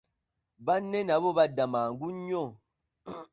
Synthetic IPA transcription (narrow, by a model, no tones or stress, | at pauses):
banːɛnabobadamaːŋɡuɲɔ